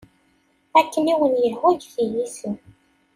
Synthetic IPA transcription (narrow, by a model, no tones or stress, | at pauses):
ækːəniwənjəlhuʝθijisən